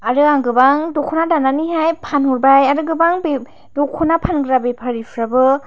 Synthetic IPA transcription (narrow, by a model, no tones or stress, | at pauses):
aɾɯaŋɡɯbaŋdɔkʰɔnadananiɦajpʰanhuɾbajaɾɯɡɯbaŋbe | dɔkʰːɔnapʰanɡɯɾabepʰaɾipʰɾabɯ